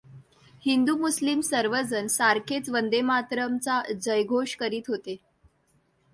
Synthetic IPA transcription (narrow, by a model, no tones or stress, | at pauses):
hind̪umuslimsəɾʋəd͡zənsaɾkʰet͡sʋənd̪emat̪ɾəmt͡sad͡ʑəjɡʱoʂkəɾiːt̪ɦot̪e